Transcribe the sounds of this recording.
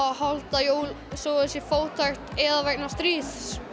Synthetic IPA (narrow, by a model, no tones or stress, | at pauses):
ahalt̪ajoːwl | sɔːʏsɛfoːwt̪ʰajxt̪ɛðavɛk̚nast̪ɾiːθ